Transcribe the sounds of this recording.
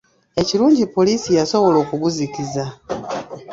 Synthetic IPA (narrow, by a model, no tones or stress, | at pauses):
e̞ciɾuːɲɟipo̞liːsijaso̞βo̞lo̞ːkuβuzikiza